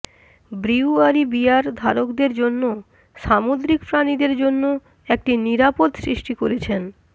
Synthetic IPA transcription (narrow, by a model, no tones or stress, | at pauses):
bɾiwaɾibiaɾd̪ʱaɾokd̪eɾd͡ʑonːo | ʃamod̪ɾikfɾanid̪eɾd͡ʑonːo | ek̚ʈiniɾapod̪sɾiʃʈikoɾet͡ɕʰen